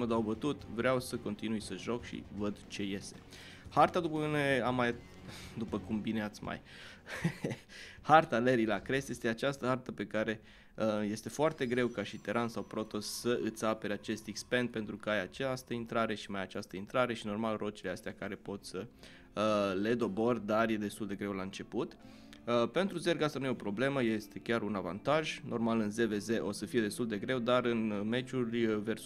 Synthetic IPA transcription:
məd̪awbət̪ut̪vɾeawsəko̞nt̪inujsəʒo̞kʃḭvəd̪t͡ʃe̞je̞st̪e̞̥ | hart̪ad̪upəkɨneamːaj | d̪upəkumbineat̪sʲma̰j | hart̪aleɾilakɾesje̞st̪eat͡ʃast̪əhart̪əpe̞kaɾe̞ | əje̞st̪e̞foart̪e̞ɡɾe̞wkaʃit̪eɾʔansawpɾo̞t̪o̞səʔɨt̪sape̞ɾeat͡ʃe̞st̪ikspe̞nd̪̚pe̞nt̪ɾukəajat͡ʃast̪əint̪ɾaɾe̞ʃimajat͡ʃast̪əint̪ɾaɾe̞ʃino̞rmalrʔo̞t͡ʃileast̪eakaɾe̞po̞t̪ʲsə | le̞d̪o̞bo̞rd̪arje̞d̪e̞st̪uld̪e̞ɡɾe̞wlaɨnt͡ʃe̞put̪ | əpe̞nt̪ɾuze̞rɡast̪anujeo̞pɾo̞ble̞məje̞st̪e̞kʲaɾunava̰nt̪aʒnʔo̞rmalɨnze̞ve̞ze̞ʔo̞səfije̞d̪est̪uld̪e̞ɡɾe̞wd̪aɾɨnme̞t͡ʃurʲvers

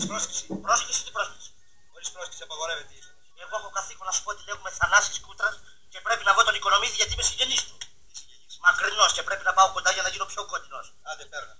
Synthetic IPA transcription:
spɾosci̥sipɾoscisit̪ipɾo̞sisi̥ | oɾispɾosci̥siɐpɐɣoɾevet̪i | eɣoexokɐθiko̞nɐsu̥pot̪ile̞xume̞θɐnɐsiskut̪ɾɐs | ce̞pɾe̞pinɐvo̞t̪o̞niko̞no̞miziʝɐt̪imesiɟe̞nist̪u | mɐkɾino̞sce̞pɾepinɐpɐoko̞nd̪ɐʝɐnɐʝino̞pço̞ko̞t̪ino̞s | ɐd̪epeɾɐ

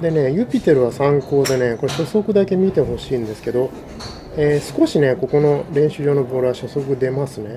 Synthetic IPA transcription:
d̪e̞ne̞jɯ̟pʲit̪ːe̞ɾɯ̟βasãŋko̞ːd̪e̞ne̞ko̞ɾeɕo̞so̞kɯ̟d̪ake̞mʲit̪e̞ɦo̞ɕĩːnd̪e̞sɨ̥ke̞d̪o̞ | eːsɨ̥ko̞ɕine̞ko̞ko̞no̞ɾẽ̞ɰ̃ɕɨʑo̞ːno̞boːɾɯβaɕo̞so̞kɯ̟d̪e̞masɨne̞

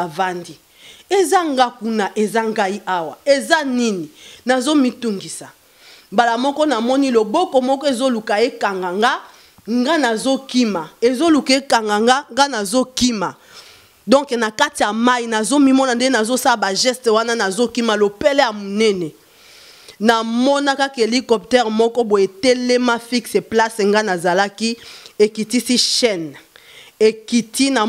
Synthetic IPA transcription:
avandi | ezaŋɡakunaʔezaŋɡaiʔawaezanininazomituŋɡisa | balamɔkɔnamɔnilobɔkɔmɔkɔezolukaekaŋɡaŋɡa | ŋɡanazokimaezolukaekaŋɡaŋɡaŋɡanazokima | dɔ̃ŋknakatijamainazomimɔnandenazosalabaʒɛstewananazokimalopɛlɛjamonɛnɛ | namɔnakakelikɔp̚tɛʁmɔkɔboetelemafikseplasŋɡanazalakiekitisiʃɛn | ekitʰina

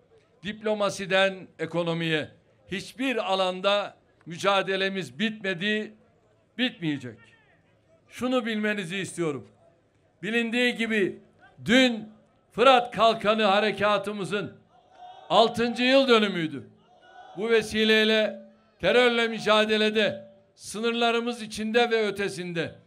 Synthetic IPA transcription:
d̪iplʲo̞masid̪æneko̞no̞mijɛ | hit͡ʃbiɾalˠand̪a | myd͡ʒaːd̪e̞lʲe̞mizbit̪me̞d̪i | bit̪̚mijed͡ʒɛc | ʃunubilʲme̞niziːst̪ʰijo̞ɾum | bilʲind̪iːɟibi | d̪yn | fɯɾat̪kʰalˠkʰanɯɦaɾecʰaːt̪ʰɯmɯzɯn | alˠt̪ʰɯnd͡ʒɯjɯlˠd̪ø̞nymyjd̪y | buvesiːlʲejlʲɛ | t̪ʰeɾøɾlʲɛmyd͡ʒaːd̪e̞lʲed̪ɛ | sɯnɯɾlˠaɾɯmɯzit͡ʃʰind̪ɛvɛø̞t̪ʰe̞sind̪ɛ

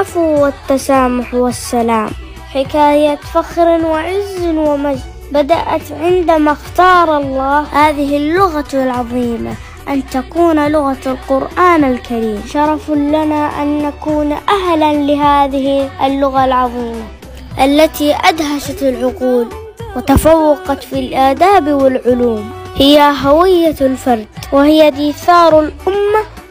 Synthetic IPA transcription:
afwɪt̪ːasaːmʊħwasːalaːm | ħɪkaːjat̪faxɾɪnwɪʕɪzːɪnwɪmad͡ʒ | bad̪a̰ʔat̪ʕɪnd̪amaxt̪ɑːɾˤɑlˤːɑːhhaːðɪɦɪlːʊɣalʕɑðˤiːma̰ | ʔant̪akuːnlʊɣalqʊɾʔaːnalkaɾiːmʃɑɾˤɑflanaʔa̰nːakuːnʔaɦlanlɪɦaːðɪhʔalːʊɣalʕɑðˤiːma | ʔalːat̪iʔad̪ɦaʃat̪ɪlʕʊquːl | wɪt̪afawːɑqɑt̪filʔaːd̪aːbwɪlʕʊluːm | hɪjaɦawɪjːalfɑɾˤd̪wɪhɪjːad̪iːθɑːɾˤalʔʊmːa

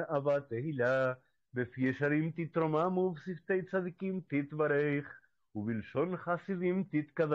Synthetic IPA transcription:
ʔavat̪ehila | befijɛʃaɾimt̪it̪ɾomamuvsift̪ejt͡sad̪ikimt̪it̪baɾeχ | ubilʃonχasid̪imt̪it̪kað

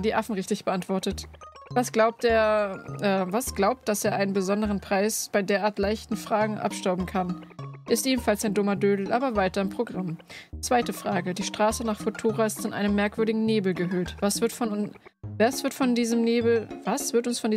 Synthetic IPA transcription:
diːʔafn̩ʁɪçtɪçb̥əʔantv̥ɔɐtətvasɡ̥laʊp̚teːɐʔɛːvasɡ̥laʊp̚t̚d̥aseːɐʔaɪnənbəzɔndəʁ̞ənpʁ̥aɪsb̥aɪdeːɐʔaːɐtlaɪçtn̩fʁ̥aːɡŋ̩ʔa̰pʃtaʊbm̩kʰanʔɪstʔeːbm̩falsaɪndʊmɐdøːdl̩ʔaːbɐvaɪtɐɪmpʁ̥oɡʁamt͡sv̥aɪtəfʁ̥aːɡədiːʃtʁ̥aːsənaːχfotʰuːʁaɪstfɔnʔa̰ɪnəmːɛɐkv̥ʏɐɾɪɡŋ̩neːbl̩ɡəɦøːtv̥asv̥ɪɐtfɔn | vasv̥ɪɐtfɔndiːzəmneːbl̩vasv̥ɪɐtʊnsfɔndiː

